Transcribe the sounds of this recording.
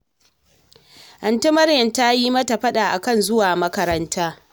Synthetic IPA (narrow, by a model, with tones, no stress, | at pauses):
ʔɐ˨ntɪ˦mɐ˦rjɐ˨nta˦jiː˦mɐ˦ta˨ɸɐ˦ɗaː˨ʔa˨kɐ˦˨nzʊ˦waː˨mɐ˦kɐ˦ɾɐ˦ntaː˦